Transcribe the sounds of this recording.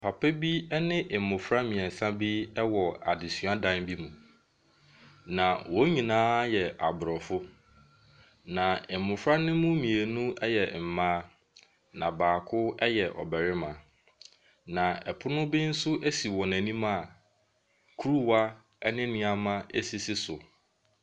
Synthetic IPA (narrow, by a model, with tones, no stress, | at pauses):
pʰa˨pʰɛ˦bi˦ɛ˦nɪ̃˦ʔɪ˨m˨mʊ̃˨fɾa˦mĩ˨ɛ̃˨n˨sã˦bi˦ɛ˦wɔ˨a̰˨dɪ˨sɥa˦dã˦nbi˦mũ˨ | nã˨wɔ˦ɲĩ˨nãː˦jɛ˨ʔa˨bʊ˨ɾɔ˨fʊ˦ | nã˨ɪ˨m˨mʊ̃˨fɾa˦nɪ̃˦mʊ̃˦mĩ˨e˨nũ˦ɛ˦jɛ˨m̩˨mãː˦ | nã̰˨baː˨kʰʊ˦ɛ˦jɛ˨ʔɔ̰˨bɛ˨ɾɪ˦mã˨ | nã˨ɛ˨pʰʊ˦nʊ̃˦bɪ˦n̩˦sʊ˦ʔæ˦si˨wɔ˨næ̃˨nĩ˦mã˦˨ | kʰu˦ɾu˦wa˦ | ɛ˦nɪ̃˦nɪ̃˦a˨mã˦e˦si˦sɪ˦sʊ˨